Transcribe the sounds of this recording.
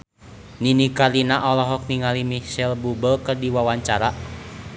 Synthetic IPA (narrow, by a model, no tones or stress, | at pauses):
ninikalinaʔɔlɔɦɔk̚niŋalimihsɛlbubəlkərdiwawaɲt͡ʃaɾa